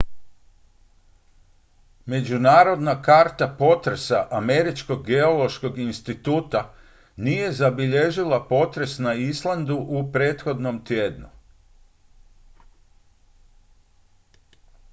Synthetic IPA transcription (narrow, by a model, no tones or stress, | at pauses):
me̞d͡ʒunaːɾo̞d̪nakaɾt̪apo̞t̪ɾesaʔame̞ɾit͡ʃko̞ɡːe̞o̞lo̞ʃko̞ɡinst̪it̪uːt̪a | nije̞zabiʎe̞ʒilapo̞t̪ɾe̞snaislˠand̪uʔupɾe̞ːt̪xo̞d̪nomt̪jeːd̪nu